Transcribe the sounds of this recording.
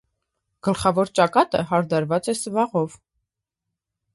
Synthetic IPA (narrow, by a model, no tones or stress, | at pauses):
ɡ̥əlχɑvɔɾt͡ʃɑkɑt̪ə̰ɦɑɾd̪ɑɾvɑt͡sɛsəvɑʁɔv